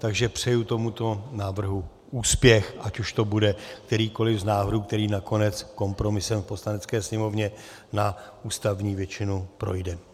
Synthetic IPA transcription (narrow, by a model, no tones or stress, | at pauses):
t̪aɡʒɛpr̥ɛjut̪o̞mut̪o̞naːvr̩ɦu | ʔuːspjɛxʔacuʃt̪o̞budɛkt̪ɛɾiːko̞lɪvznaːvduːk̚t̪ɛɾiːnako̞nɛt͡sko̞mpɾo̞mɪsɛmfpo̞slanɛt͡skɛːsɲɛmo̞vɲɛ | naʔuːst̪avɲiːvjɛt͡ʃɪnupɾo̞̰jdɛ